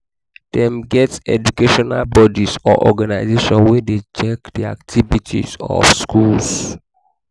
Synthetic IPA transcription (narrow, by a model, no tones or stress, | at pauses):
d̥ɛ̃mɡɛtɛ̰d͡ʒukeʃɔnalbɔdisɔ̰ʔɔɡanaɪzeʃɔ̃nwɛdet͡ʃɛkdia̰ktʰivitʰḭzɔ̰fskʰuls